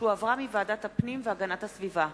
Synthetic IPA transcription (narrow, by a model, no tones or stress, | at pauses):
uavʁamivaːdathapnimveaɡanathasviva